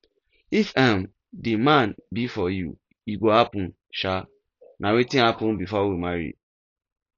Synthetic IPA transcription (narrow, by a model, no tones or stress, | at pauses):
ifãm | dimãnbifɔjṵ | iɡohapũn | ʃa | nʔãwetɪ̃napʊ̃nbifɔwimaɹḭ